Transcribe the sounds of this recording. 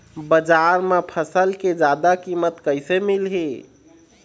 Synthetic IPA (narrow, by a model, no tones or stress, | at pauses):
bəd͡ʒaɾmepʰəsəlked͡ʒad̪akimət̪kəɪsemilɦe